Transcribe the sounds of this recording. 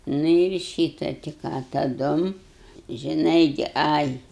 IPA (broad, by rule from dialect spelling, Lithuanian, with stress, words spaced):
nʊ ɪr ˈʃʲiːtɐ tɐɪ ˈkɑː tɐˈdʊm ʒʲɪˈnɐɪ ɡʲɪ ˈɐɪ